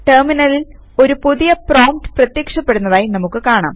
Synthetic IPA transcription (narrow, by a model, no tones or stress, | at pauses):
ʈerminɐlil | o̞ɾupuðijɐproːmʈɨ̥prɐt̪jekʂɐpːe̞ɽunːɐðaːjinɐmukːɨkaːɳa̰ːm